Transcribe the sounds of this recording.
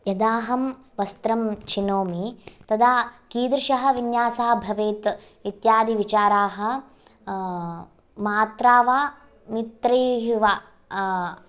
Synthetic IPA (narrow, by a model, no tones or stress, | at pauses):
jɐd̪aːɦɐm | ʋɐst̪ɾɐmt͡ʃʰinoːmit̪ɐd̪ʱaːkiːd̪ɾʃɐɦɐ̆ʋinjaːsɐːɐbʱɐʋeːt̪ | it̪jaːd̪iʋit͡ʃaːɾaːɦɐ̆ | maːt̪ɾaːʋaː | mit̪ɾiɦiʋaː